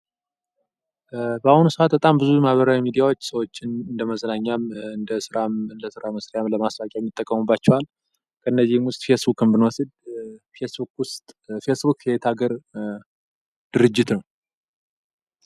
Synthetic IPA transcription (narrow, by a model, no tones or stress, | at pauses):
bəahunusəʔat̪̚bət̪ʼambɨzujmahβəɾawimid̪ijawo̞t͡ʃːsəwo̞t͡ʃːɪnɨnd̪əməzənaɲːamɨnd̪əsɨɾamɨnd̪əsɨɾaməsɾijamləmasfakʼajɛmːɪt̪ʼːəkʼːəmubːat͡ʃːɛwal | kʰəɨnːəzːihmwʊst̪ʼfe̞sbukɨmbɨnwɔsɨd̪fesbukwʊst̪ʼfe̞sbukjɛt̪ʰaɡəɾ | d̪̥ɨɾɨd͡ʒːɪt̪nəw